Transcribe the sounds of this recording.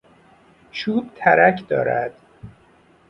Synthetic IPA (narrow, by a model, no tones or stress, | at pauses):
ʃuːb̚t̪ʰæɾæcʰd̪ɒ̰ːɾæd̪̥